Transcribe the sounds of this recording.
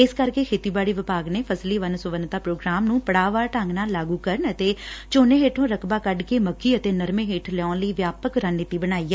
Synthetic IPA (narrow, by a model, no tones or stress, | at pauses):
ɪskəɾkeːkʰeːt̪iːbaːɽiːʋɪpaːɡneːpʰəsliːʋənsʊʋənt̪aːpɾoːɡɾaːmnũːpəɽaːʋaːʈəŋɡnaːlaːɡuːkəɾəɳət̪eːt͡ʃoːneːɦeːʈʰõːɾəkʰbaːkəɖkeːməkʰːiːət̪eːnəɾmẽːɦeːʈʰlɛɔ̃ːnləiːʋjaːpəkɾənɪt̪iːbənaːiːɛː